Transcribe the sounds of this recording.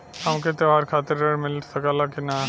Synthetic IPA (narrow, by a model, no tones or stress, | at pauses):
ɐmket̪eʋaːɾkʰaːt̪ɪɾeɽmɪlsɐkalakina